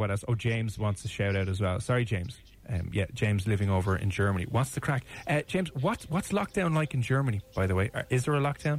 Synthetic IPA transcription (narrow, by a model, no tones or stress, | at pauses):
wəɾəsoʊd͡ʒẽɪ̃mzwɑ̃ntstʰəʃaʊɾaʊɾəzwɛlˠsɑɹid͡ʒẽɪ̃mz̥ | ʌjæd̥ʒ̥ẽɪ̃mzlɪvɪ̃ŋoʊvə˞ʔɪ̰̃nd͡ʒɜ˞mənḭwɑtsðəkʰɹ̥akʌ̥ʒ̥ẽɪ̃mzwɒtwɒtslɒk̚d̥ãʊ̃nlaɪkɪ̃nd͡ʒɜ˞mənib̥aɪðəweɪʔə̰ʔɪzðə˞əlɔk̚d̥ãʊ̃n